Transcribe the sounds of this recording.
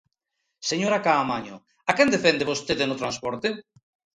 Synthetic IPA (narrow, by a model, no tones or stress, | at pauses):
seɲoɾakaːmaɲo̰ | akɛnd̪efɛnd̪eβost̪eðenot̪ɾãnspɔɾt̪e